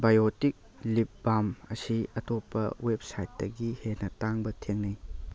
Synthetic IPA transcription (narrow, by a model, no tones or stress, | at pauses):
bajotik̚ | lip̚bamɐsiɐtopːɐ̰wep̚sajtːɐɡihenɐtaŋbɐtʰeŋnɐj